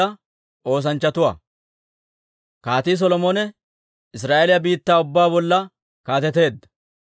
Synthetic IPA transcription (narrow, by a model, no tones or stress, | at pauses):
ɐ | ʔo̞ːs̬ɐnt͡ʃːɐt̪ʊwa̰ː | kaːt̪iːs̬ɔlɔmonɛ | ɪs̬ɾaːʔelɪjɐbiːt̪ːaːʊbːaːbɔlːɐ | kaːt̪ɛt̪e̞ːd̪ːɐ̥